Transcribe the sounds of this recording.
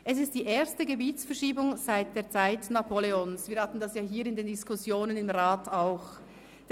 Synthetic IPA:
ʔɛs̬ɪst̚d̥iːʔeːɐstəɡəbiːtsfɛɐʃiːbʊŋz̥aɪt̚d̥eːɐt͡saɪtnapʰoleonsviːɐhatn̩dasjaːɦiːɾɪndeːndɪskʊsjoːnənɪmʁaːtaʊx | d̥

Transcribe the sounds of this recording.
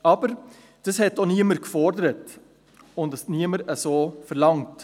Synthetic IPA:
ɑb̥əɾ | d̥ɑshɛtːoniəməɾkfɔɾdəɾət | ʊntdəsniəməɾəsoːfəɾlɑŋt

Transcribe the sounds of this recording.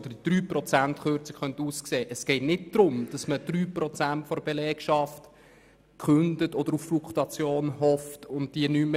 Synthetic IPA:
d̥əid̥ɾyːprɔt͡sæntχøɾt͡sə̥kχœnt̪uːskseːʔəsɡ̥ɛtnɪt̚d̥ɾʊmd̥ɑsməd̥ryːprɔt͡sæntfɔɾbelɛːkʃɑft | kχʉndətɔd̥̪əɾufflukʰtɑt͡sjoːnɦɔftʊntd̥iənymə

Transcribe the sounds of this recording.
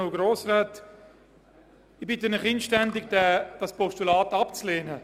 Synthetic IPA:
oʊɡɾoːsraːt | ɪbɪtənɪχinʃtɛndɪɡd̥ɛd̥ɑspɔʃtulaːtɑpt͡sleːnə

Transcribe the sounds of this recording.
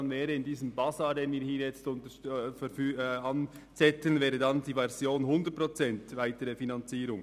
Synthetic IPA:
nvɛːɾəɪndiːzəmbɑsɑːdeːnviːɾhiːɾjɛt͡stʊntəfɛfyɑn | t͡sɛtənvɛːʁədɑndiːvɛʁzjoːnɦʊndətpʁot͡sɛntvaɪtəɾəfinɑnt͡siːɾʊŋ

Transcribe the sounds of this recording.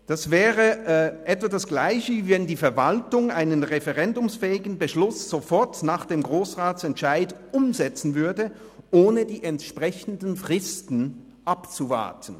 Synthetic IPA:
d̥asv̥ɛːʁəʔɛtv̥adasɡ̥laɪçəvɛndiːfɛɐvaltʊŋaɪnənʁefɛʁɛndʊmsfɛːɪɡn̩bəʃlʊsz̥ofɔɐtnaːχd̥eːmɡʁoːsʁaːtsɛntʃaɪdʔʊmzɛt͡sn̩vʏɐdə | ʔoːnədiːʔɛntʃpʁ̥ɛçən̩dən̩fʁ̥ɪstn̩ | ʔapt͡suva̰ɐtʰn̩

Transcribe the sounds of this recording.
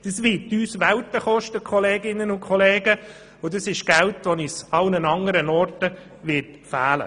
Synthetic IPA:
d̥əsʋɪtyːsʋæltəχɔʃtəkʰχɔleːɡɪnːənʊkʰχɔleːɡə | ʊdəsɪʃɡ̥æltʋɔnisɑlnənɑŋəɾənɔrtə | ʋɪtfæːlə̰

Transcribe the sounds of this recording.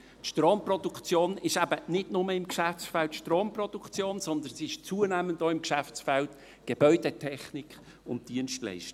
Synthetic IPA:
tʃtroːmprɔdukt͡sjoːnɪʃæbənɪdnʊməɪmkʃæft͡sfɛltʃtroːmprɔd̥ukt͡sjoːnzɔnd̪ənsiɪʃt͡suːənæːməndɔːɪmkʃæft͡sfɛlt | ɡ̥eb̥œʏd̥ɛtʰɛχnikχ | ʊnt̚d̥iənʃtlɛ̰ɪʃtə

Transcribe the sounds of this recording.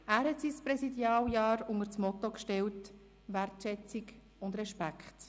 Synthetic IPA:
æːɾhɛtsispɾɛsidjɑːljɑːɾʊŋəɾt͡smɔtɔkʃtɛlt | ʋærtʃɛt͡sik | ʊndɾɛʃpækχt

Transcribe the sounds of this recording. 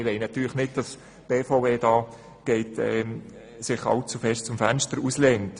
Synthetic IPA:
ɪʋɛɪnɑt̪yːləχnɪt̚d̥ɑs | b̥eːfɔʊbeːdɑː | ɡ̥ɛɪtɛ | sɪχɑ̰lt͡sufɛʃtt͡sʊmfænʃtəɾuslɛŋt

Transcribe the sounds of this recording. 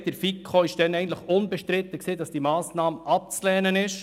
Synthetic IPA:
d̥əɾfikʰχoɪʃd̥ɛnɛɪɡəntləχʊnbɛʃtɾɪt̪ːəksiːdɑsd̥imɑːsnɑːmɑp̚t͡slɛːnənɪʃ

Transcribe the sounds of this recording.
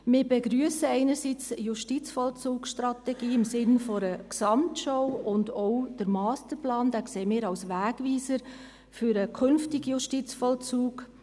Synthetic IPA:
mɪːɾbeɡɾyəsəɛɪnəɾsiːt͡sjuʃtit͡sfɔlt͡suːksʃtrɑtɛɡ̥iːɪmsɪnfɔɾəksɑmtʃɔʊʊndɔʊd̥əɾmɑːstəɾplɑːnd̥æːkseːmɪːɾɑwsʋæːɡ̥ʋiːsəɾ | fʏɾəkʰʏnftɪɡ̥juʃtit͡sfɔlt͡suːɡ

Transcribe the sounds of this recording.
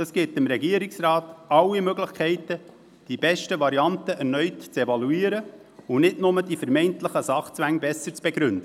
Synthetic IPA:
əsɡ̥ɪtɪmɾɛɡiəɾɪksrɑːtɑwːimøɡləχkʰɛɪtə | d̥ib̥ɛʃtəʋɑɾiɑntəʔɛrnœʏtt͡sɛvɑluiːɾə | ʊnɪdnʊmədifəɾmɛɪnt̪ləχəsɑχt͡sʋæŋbɛsəɾt͡sb̥ɛɡɾʏnd̥̪ə

